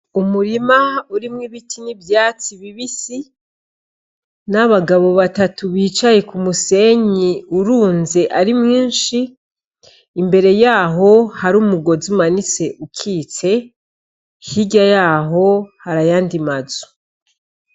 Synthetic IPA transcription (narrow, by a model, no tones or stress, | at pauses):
umuɾimauɾimŋiβitʰinibjaːt͡siβiβisi | naβaɡaβo̞βatatuβiːt͡ʃaje̞kumuse̞ɲiuɾuːnze̞ʔaɾimŋiːnʃi | mbe̞ɾe̞jaːɦo̞haɾuːmuɡo̞zumanit͡se̞ʔukʰiːt͡se̞ | hiɟajaːɦo̞haɾajaːndimazu̥